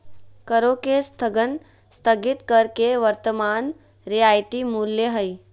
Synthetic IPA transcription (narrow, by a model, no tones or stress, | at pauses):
kəɾokest̪ʰəɡən | st̪ʰəɡɪt̪kəɾkeʋəɾt̪əmaːn | ɾijaːjt̪imuljəɦəj